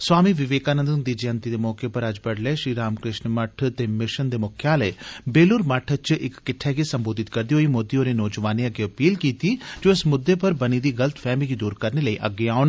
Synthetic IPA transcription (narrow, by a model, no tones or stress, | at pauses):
swaːmiːʋɪʋeːkaːnənd̪ənd̪id͡ʒeənt̪id̪eːmɔːkepəɾəd͡ʒbəɽleːʃɾiːɾaːmkɾɪʃnməʈʰt̪eːmɪʃənd̪eːmʊkʰjaːləeːbeːlʊɾməʈʰət͡ʃʔɪkːɪʈʰːɛːkisəmboːd̪ɪt̪kəɾd̪iɦoːiːmoːd̪ioːɾenɔːd͡ʒʋaːneəɡeːɐpiːlkiːt̪iːd͡ʒoːɪsmʊd̪ːeːpəɾbənid̪iːɡələt̪fʰɛːmlikid̪uːɾkəɾneləiːʔəɡːeːaːʊn